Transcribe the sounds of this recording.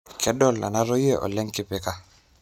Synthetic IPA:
kʰɛ˨˦dɔ˦˨lːa̰˨na˦ɾɔ˦je˦ʔɔ̰˨lɛ˦ŋkɪ˦pɛ˦ka˦

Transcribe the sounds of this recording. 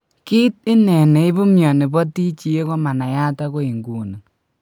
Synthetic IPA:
ki˦t̚ɪ˦nɛ˨ne˨ɪ˦bu˦mjɔ˨nɪ˨bɔ˦ti˦t͡ʃi˦je˦kɔ˦ma˨na˨ja˦ta˦ko˦i˨ŋɡuː˨na˨

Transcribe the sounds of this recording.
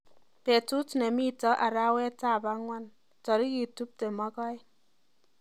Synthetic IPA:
pɛ˨tu˦tnɛ˨mi˦tɔ˦ʔa˨ɾa˦wɛ˦ta˦˨ba˦ŋwa˦n | tɔ˨ɾi˦ki˨tu˦p̚te˨ma˦kɔ˦j

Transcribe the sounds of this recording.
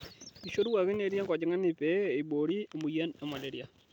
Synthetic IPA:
i˨ʃo˦ɾu˦wa˨kɪ˦ne˨˦ɾja˦ŋkɔ˨d͡ʒɪ˨˦ŋa˦nɪ˨pe˦i˨bo˨ɾi˦a˨mu˨ja˦nɛ˨ma˨le˨ɾi˦a˨

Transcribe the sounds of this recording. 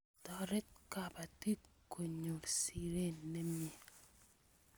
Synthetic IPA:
tɔ˨ɾɛ˦t̚ka˨ba˨ti˦ko˨ɲo˨ɾsi˨ɾe˦nːe˦mje˨

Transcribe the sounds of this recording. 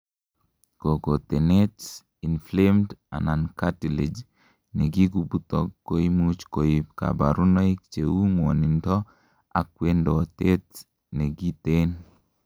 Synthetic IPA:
ko˨ɡo˨t̪e˨ne˦t | i˨nflemda̰˨na˨nka˦ti˨le˨d͡ʒ | ne˨ɡi˦ɡu˦bu˦t̪ɔ˨kːo˦i˦mut͡ʃko˨i˨bka̰˨ba˨ɾu˦nɔ˦i˦k̚t͡ʃe˨wu˦ŋwɔ˨ni˨ndɔ˦ | a̰˨k̚we˦ndɔ˨t̪e˦t | ne˨ɡi˦t̪en

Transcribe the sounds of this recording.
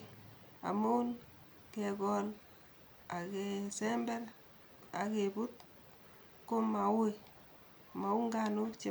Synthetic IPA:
a̰˨mo˦u˦n | ke˨kɔ˨n | a˨ke˨sɛ˦mbɛ˦l | a˨ke˨pu˦t̚ | ko˦ma˨we˨ | ma˨u˦ŋɡa˦nu˦t͡ʃe˦

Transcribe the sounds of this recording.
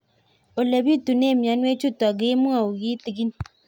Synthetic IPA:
o˨le˨βi˦tu˨ne˦˨mja˨˦nwe˦t͡ʃu˦ta˨ɡe˦mu˦a˦˨o˨ɣi˦ti˨ɡi˦ni˨

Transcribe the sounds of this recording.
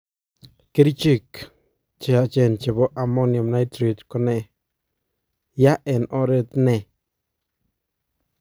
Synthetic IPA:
ke˦ɾi˦t͡ʃi˦˧˨k | t͡ʃe˨a˧t͡ʃe˧˨nt͡ʃe˨bo˦ʔa˧mo˦njo˨mna˦jt̪ɾi˨d̪ko˦ne˧ | ja˦ʔe˨nʔo˦ɾe˧d̪ne˧˨

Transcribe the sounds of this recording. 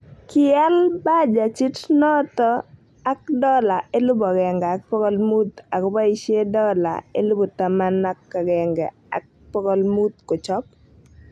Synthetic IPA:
kɪɛ˦lba˦d͡ʒa˨t͡ʃi˦tnɔ˦t̪ɔ˦ | a˦k̚dɔ˦la˨e˦lʊ˦bɔ˨ɡɛ˨ŋɡɛ˨a˨k̚pɔ˦kɔ˦lmu˦t̪a˨kba˦i˨˦ʃe˦dɔ˦la̰˨ḛ˦lʊ˦bɔ˨t̪a˨ma˦na˦kːa˨ɡɛ˨ŋɡɛ˨ | a̰˨k̚ | pɔ˦kɔ˦lmu˦t̪ko˨t͡ʃɔ˦p̚

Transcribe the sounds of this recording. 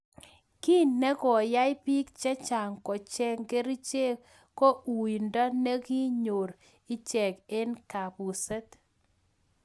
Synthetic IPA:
ki˦nːe˦kɔ˨ja˦jpi˦kt͡ʃɛ˦t͡ʃa˨ŋkɔ˨t͡ʃɛ˦ŋɡe˦ɾi˦t͡ʃe˦ | ko˦u˨i˨ndɔ˦ne˦ki˦ɲo˨ɾ | i˦t͡ʃɛ˨ke˦nka˨pu˨se˦t̪

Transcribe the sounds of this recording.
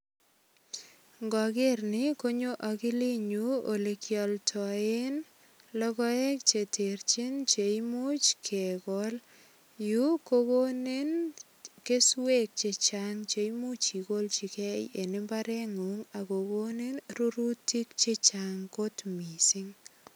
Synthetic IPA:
ŋɡɔ˨kɪ˦rnɪ˦ko˦ɲo˦ʔa˨kɪ˦li˦ɲu˦o˨le˨kjɔ˨ltʰɔ˨e˦n | lɔ˦kɔ˦ɛ˦k̚t͡ʃe˨te˨ɾt͡ʃi˦nt͡ʃe˨jmo˦t͡ʃkʰɛ˨kɔl | ju˦koko˦ne˦n | ke˦swe˦k̚t͡ʃe˨t͡ʃaŋt͡ʃe˨jmo˦t͡ʃi˨ko˦lt͡ʃi˨kɛ˦je˨nɪ˦mba˦ɾɛ˦ŋu˨ŋa˨ko˨ko˦ne˦nru˦ɾu˦ti˦kt͡ʃe˦t͡ʃa˨ŋko˦tmi˨si˦ŋ

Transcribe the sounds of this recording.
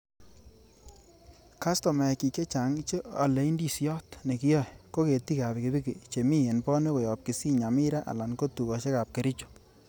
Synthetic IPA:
ka˦stɔ˨mɛ˨ki˨ke˦t͡ʃa˨ŋt͡ʃe˦a̰˨le˨i˦ndi˦˨sjjɔ˦tne˨kɪ˦jɔ˦˨jko˦ke˨ti˦ka˨be˨ke˨bi˦ki˨t͡ʃe˨mi˦e˨npɔ˦ne˦kɔ˨jɔ˨p̚ki˨si˦ɲa˨mɪ˦ɾa˦ʔa̰˨la˨nko˦tu˨kɔ˨t͡ʃe˦ka˨p̚ke˨ɾi˦t͡ʃo̥˨

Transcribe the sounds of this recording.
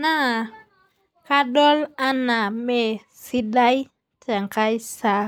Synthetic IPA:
na˦˨ | ka˦ɗɔ˦la˦na˨me˨ | si˦ɗa˦j | ta˨ŋka˦jsa˨

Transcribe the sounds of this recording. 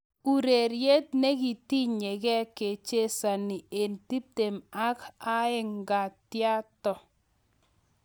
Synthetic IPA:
u˨ɾe˨ɾje˦t̚ne˦ki˨ti˦ɲe˨kɛ˦kːe˨t͡ʃe˦sa˨nɪ˨e˨nti˦p̚te˨ma˦ka˦ɪ˦ŋɡa˨tja˦tɔ˨

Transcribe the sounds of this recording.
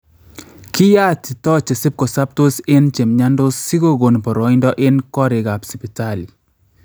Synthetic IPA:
kɪ˦ja˦tɪ˨tɔ˦t͡ʃe˨sɪ˦p̚kɔ˨sa˦p̚to˦sɪ˦nt͡ʃe˨mɲa˦ndo˦si˦ɡo˦ɡo˨npɔ˨ɾɔ˨indɔ˦ʔɪ˦nkɔ˦ɾɪ˨ɡa˨psi˨pi˨ta˦˨li

